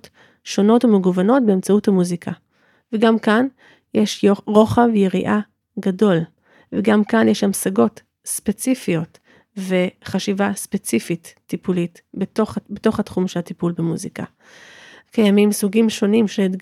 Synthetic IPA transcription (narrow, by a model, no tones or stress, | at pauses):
t | ʃo̞no̞tumeɡuvano̞t̚beemt͡sauthamuzikʰa | veɡamkan | jeʃoʁo̞χavejeʁiʔa | ɡado̞l | veɡamkanjeʃamsaɡo̞t | spe̞t͡sifijo̞t | ve̞χaʃivaspe̞t͡sifitːipulit | bobeto̞χhatχumʃelatipulbemuzika̰ | kʰajamimsuɡimʃo̞nimʃed